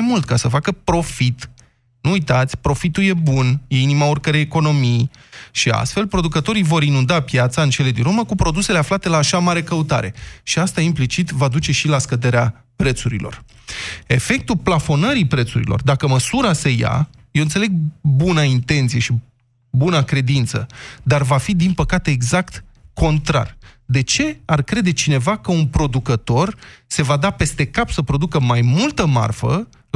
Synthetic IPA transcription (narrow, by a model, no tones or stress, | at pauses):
jmult̪̚kasəfakəpɾo̞fit̪ | nuːjt̪at̪sʲpɾo̞fit̪ulje̞bunje̞inimaorkəɾejeko̞no̞mijʃia̰st̪fe̞lpɾo̞d̪ukət̪o̞ɾijvo̞ɾinund̪apjat̪saɨnt͡ʃe̞le̞d̪inɾoməkupɾo̞d̪use̞le̞aflat̪e̞laːʃamaɾe̞kəut̪a̰ɾe̞̰ʃiast̪aimplit͡ʃit̪vad̪ut͡ʃe̞ʃilaskəd̪e̞ɾea | pɾe̞t̪suɾḭlo̞̰r | e̞fe̞k̚t̪uplafo̞nəɾipɾe̞t̪suɾḭlo̞̰rd̪akəməsuɾase̞ja̰ | jewɨnt̪sele̞ɡ̚bunaint̪e̞nt̪sijeʃi | bunakɾe̞d̪int̪səd̪arvafid̪inpəkat̪e̞ːɡzakt̪ko̞nt̪ɾa̰rd̪e̞t͡ʃe̞arkɾe̞d̪e̞t͡ʃine̞vakəunpɾo̞d̪ukət̪o̞rse̞vad̪ape̞st̪e̞kapsəpɾo̞d̪ukəmajmult̪əma̰rfə̰